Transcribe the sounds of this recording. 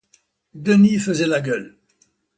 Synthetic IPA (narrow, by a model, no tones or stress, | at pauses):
d̪ənifəzɛlaɡʲœl